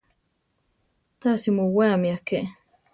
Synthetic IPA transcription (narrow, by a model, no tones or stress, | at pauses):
t̪asimuwaːmiake